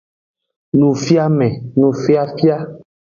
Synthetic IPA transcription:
nũ˨fi˦a˦mɛ̃˨nũ˨fi˦a˦fi˦a˦

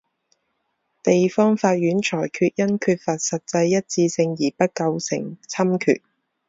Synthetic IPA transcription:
t̪e˨jfɔː˥ŋfaː˧t̚jyː˨˥nt͡ʃʰɔː˨˩jkʰyː˧t̚jɐ˥nkʰyː˧t̚fɐ˨t̚sɐ˨t̚t͡sɐ˧jːɐ˥t̚t͡siː˧sɪ˧ŋjiː˨˩pɐ˥t̚kɐ˧wsɪ̰˨˩ŋt͡sʰɐ˥mkʰy̰ː˨t̚

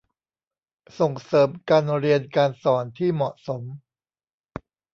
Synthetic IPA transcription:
so˨˩ŋsɤː˩˦mkaː˧nɾi˧ənkaː˧nsɔː˩˦nt̪ʰiː˥˩mɔ˨˩ʔso˩˦m

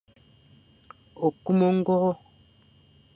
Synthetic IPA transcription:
o˨ku˦mo˦ŋ̩˦ɡɔ˦ɣɔ˦

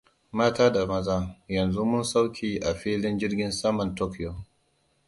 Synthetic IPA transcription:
maː˦taː˦da˨mɐ˦zaː˦jɐ˨nzu˦mʊ˦nsa˦wkʲiː˨ʔa˨ɸiː˦lɪ˦nd͡ʒɪ˦rɡʲɪ˦nsɐ˦mɐ˨ntoː˦kjo˨

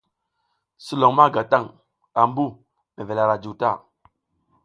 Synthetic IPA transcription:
si˦lo˨ŋma˦˨ɡa˨ta˦˨ŋ | a˨m˦bu˦˨ | me˨ve˨la˨ɾa˨d͡ʒu˨ta˦˨

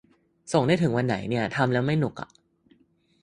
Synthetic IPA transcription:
so˨˩ŋdaː˥˩jt̪ʰɯ˩˦ŋwa˧nːa̰˩˦jni˥˩ɐt̪ʰa˧mlɛː˦˥wma˥˩jnu˨˩k̚a̰˨˩ʔ

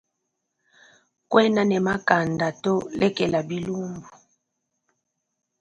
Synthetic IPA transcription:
kwɛ˦na˦nɛ˨ma˦ka˨nda˨to˦lɛ˦kɛ˨la˨bi˦lu˦mbu˨

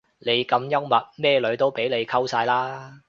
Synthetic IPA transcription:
ne˨˧jkɐ˧mjɐ˥wmɐ˨t̚mɛː˥˧lɵ˨˧ɥt̪o˥wpe˨˥jle˨˧jkʰɐ˥wsaː˧jlaː˥

